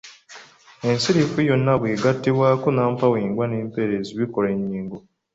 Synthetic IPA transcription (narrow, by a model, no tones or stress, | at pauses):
e̞nsiɾifujo̞nːaβwiːɡatːiβwaːkunaːmpawiːŋɡwaneːmpeɾeziβikoleɲːiːŋɡo